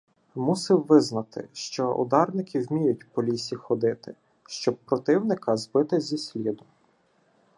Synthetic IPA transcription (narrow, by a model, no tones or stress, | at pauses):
musɪwʋɪznɐt̪ɪ̰ʃt͡ʃɔʔʊ̰d̪ɑrnɪkʲʰɪwmʲijʊtʲpɔlʲisʲixɔd̪ɪt̪ɪ | ʃt͡ʃɔb̚pɾɔt̪ɪwnɪkɐzbɪt̪ɪzʲisʲlʲid̪ʊ